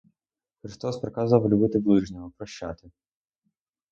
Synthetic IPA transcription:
xɾɪst̪ɔspɾɪkɑzʋɐwlʲʊbɪt̪ɪblˠɪʒnʲɐɔpɾɔʃa̰t̪ɪ

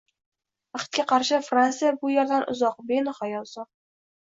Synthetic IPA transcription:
aχt̪̚kʲaqʰɑɾʃɪfɾansɨjabʊjaɾd̪anʔʊ̰zɒq̚benχɒjɒlˠsɒ

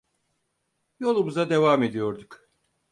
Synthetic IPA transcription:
jo̞lˠumuzad̪evaːme̞d̪ijo̞ɾd̪uk

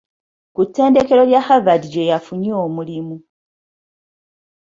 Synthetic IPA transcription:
kutːe̞ːnde̞ke̞lo̞ljaxavadiɟe̞jafuɲoːmulimu

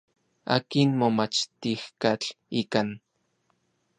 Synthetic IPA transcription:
a̰ːkinmomat͡ʃt̪ixkat͡ɬ | ikan

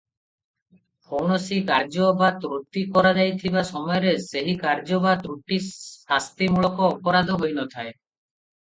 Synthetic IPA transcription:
fʰownosikaɾd͡ʑobat̪ɾot̪ːikɔɾad͡ʒajt̪ʰibaʃɔmɔjɾeseɦikaɾd͡ʑobat̪ɾuʈiast̪imulokoɔpoɾad̪ʱoɦojnɔt̪ʰae

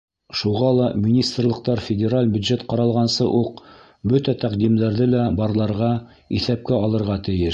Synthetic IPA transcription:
ʃuʁɑlˠɑmʲinʲist̪rlˠɤ̆qt̪ɑɾfʲɪdʲeɾalʲbjʉd̪ʒet̪qɑɾɑlˠʁɑnsɤʔuq | bɵt̪æt̪æqd̪imd̪æɾðɘlæbɑɾlˠɑɾʁɑ | iθæp̚kæɑlˠɤ̆ɾʁɑt̪ɘ̆jɘʃ

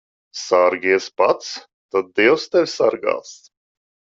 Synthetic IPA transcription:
saɾɡʲiɛspat̪s | t̪ad̪̚d̪iɛwst̪ɛvʲsaɾɡa̰ːs

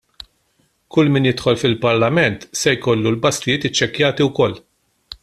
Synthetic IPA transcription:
kʊlːmɪːnjɪt̪ħɔlfɪlpɐɾlɐmɛnt̪sɛjkɔlːulbɐslɪjɪːt̪ɪt͡ʃːɛkjɐːt̪iwkɔlː

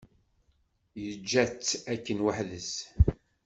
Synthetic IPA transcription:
jəd͡ʒːæt͡sːækːənwəħðəs

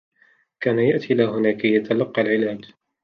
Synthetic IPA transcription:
kaːnajaʔt̪ʰilaːɦʊnaːkajat̪ʰalɑqːɑlʕɪlaːd͡ʒ

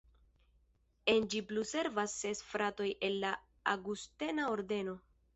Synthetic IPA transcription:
e̞nd͡ʒipluse̞ɾvasːe̞sfɾato̞je̞lːa | aɡuste̞naoɾde̞no̞

